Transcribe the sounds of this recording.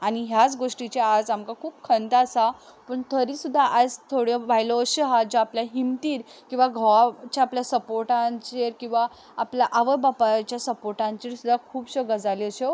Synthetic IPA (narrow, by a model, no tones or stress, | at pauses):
aɽ̃iɦjat͡sɡoʂʈit͡ɕead͡zamkakʰuːbkʰənt̪aːsa | pəɳt̪ʰəɾisud̪ʱːaʔad͡zt̪ʰoɽjeʋʱajloːɕeɦad͡ʑoapljaɦimt̪iːɾkĩw̃ʋaɡʱəʋat͡ɕaapljasəpoɾʈãt͡ɕeɾkĩw̃ʋaː | pljaʔaʋəbapat͡ɕjasəpoɾʈãɲt͡ɕiɾsud̪ʱːakʰuːbɕəɡəd͡zaleəɕe